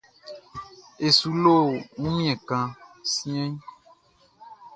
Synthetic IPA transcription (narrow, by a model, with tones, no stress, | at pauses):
e˨su˨lo˦˨ŋũ˦mĩ˦ɛ̃˨kã˨sĩ˦ɛ̃˦ɲ˦